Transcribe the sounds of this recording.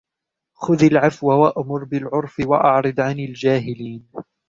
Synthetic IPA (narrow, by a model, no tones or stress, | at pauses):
xʊðalʕafwawaʔamʊɾbɪlʕʊɾˤfɪwaʔɑʕɾˤɨd̪ʕanɪld͡ʒaːɦɪliːn